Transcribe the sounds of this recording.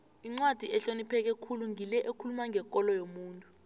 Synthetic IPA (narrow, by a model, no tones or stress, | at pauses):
iŋ͡ǀwad̥ʱiʔɛɬonipʰɛk̬ɛkʰuluŋʱilɛʔekʰulumaŋɡʱɛkʼɔlɔjomuːntʼu